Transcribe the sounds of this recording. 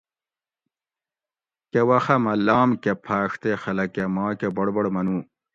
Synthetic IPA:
kewɐxɐmɐlːaːmkepʰaːʂt̪exɐlɐkemaːkebɐɽbɐɽmɐnũː

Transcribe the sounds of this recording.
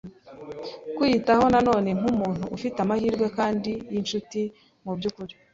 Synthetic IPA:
kwiitaho̞nano̞ːne̞ŋ̥umuːn̥huʔːfitamahiːɾɡwe̞kaːndijinʃuti | mubɟuːkuɾi

